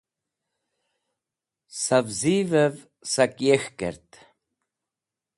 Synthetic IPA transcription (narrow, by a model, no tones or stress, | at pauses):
savziːvəv | sakjɛxkə̰ɾt̪